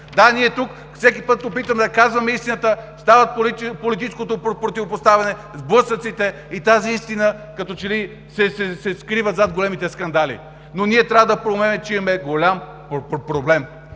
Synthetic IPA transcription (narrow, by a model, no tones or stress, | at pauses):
d̪aniɛt̪uk | fsɛkipɤt̪̚ːopit̪əmɛd̪ɐkazvɐmɛist̪inət̪əst̪avət̪̚polit̪it͡ʃskot̪opɾopɾot̪ivopost̪avɛnɛzblɤsət̪sit̪ɛ | it̪aziist̪inəkɐt̪ɔt͡ʃɛli | sɛsɛsɛskɾivət̪zad̪̚ɡolɛmit̪ɛskɐnd̪alḭ | nonʲiɛt̪ɾʲavəd̪ɐpɾomɛnɛt͡ʃɛimɛɡolʲam | pɾoblɛm